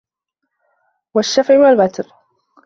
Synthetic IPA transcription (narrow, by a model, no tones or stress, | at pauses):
waʃːafʕɪwalbat̪ɾ